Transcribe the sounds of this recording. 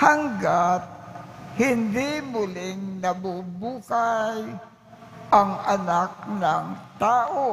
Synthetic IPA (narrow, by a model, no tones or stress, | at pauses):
haŋɡat̪̚hɪnd̪ɪmʊlɪŋnɐbubuːkaj | ʔɐŋɐnak̚nɐŋt̪aːʔo